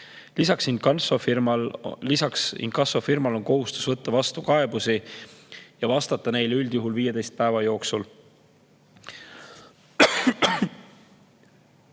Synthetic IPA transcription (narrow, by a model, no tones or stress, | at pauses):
lisɑksinkɑnsofirmɑllisɑksḭnkɑso̞firmɑlo̞nko̞ɦust̪u̥svɤt̪ːɑvɑst̪ukɑe̞b̥usi | jɑvɑst̪ɑt̪ːˑɑne̞jlyld̪̥juɦulviːje̞d̪e̞jst̪̚pæevɑjo̞ːksul